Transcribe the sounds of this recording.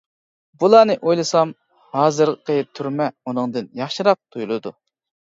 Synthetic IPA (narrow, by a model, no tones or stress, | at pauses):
bulˠɑːnɨʔojlˠɨsɑm | hɑːzɨɾʁqʰət̪ʰyɾmɛunɨŋd̪ɨnjɑχʃɨɾɑq̚t̪ʰujulˠɨd̪u